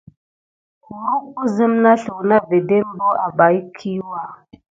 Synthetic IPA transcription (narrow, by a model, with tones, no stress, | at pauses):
ku˨ɾu˦ku˦zə˦mna˦ɬu˨wna˦ve˨de˦m˦bo˦ʔa˨ba˨jkʰi˦wa˨